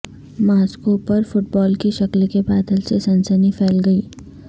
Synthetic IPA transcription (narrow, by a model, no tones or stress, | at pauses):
maːskopɐɾfʊʈbɔːlkiʃɐklkebaːd̪əlsesɐ̃nsənifʰɛːlɡɐiː